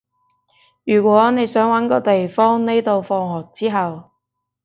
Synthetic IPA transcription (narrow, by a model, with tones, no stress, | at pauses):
jyː˨˩kʷɔː˨˥ne˨˧jsœː˨˥ŋwɐ˨˥nkɔː˧t̪e˨jfɔː˥ŋne˥jt̪o˧wfɔː˧ŋhɔː˨˩k̚t͡siː˥ɦɐ˨w